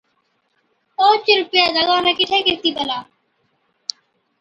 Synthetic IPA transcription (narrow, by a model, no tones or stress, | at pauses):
õːt͡ʃɾʊpɪjaːd̪aɡãːnãkɪʈʰeːkɪɾt̪iːpəlaː